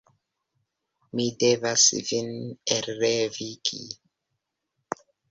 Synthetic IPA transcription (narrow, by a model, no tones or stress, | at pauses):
midevasvineɾɾevikʰḭ